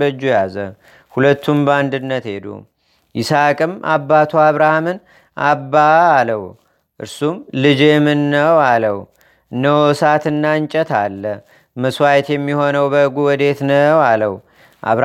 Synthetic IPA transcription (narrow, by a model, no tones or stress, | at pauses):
bəd͡ʒːujazə | hulət̪ːumbəand̪ɨnːət̪he̞d̪ṵ | ʔɪsakʼɨmabːat̪ʰuaβɾahamɨn | ʔabːaːləw | ʔɨ̰ɾsumlɨd͡ʒemɨnːəwaləw | ɨnːəwɔsat̪ɨnːaɨɲt͡ʃʼɛt̪ʰalːə | məswajɛt̪jɛmːiho̞nəwbəɨɡuwɔd̪e̞t̪nəwaləw | ʔa̰βɾ